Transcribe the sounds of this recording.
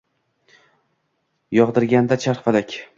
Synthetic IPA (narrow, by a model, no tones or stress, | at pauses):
jɒʁd̪ɪɾɡʲand̪at͡ʃʰaɾfalakʲ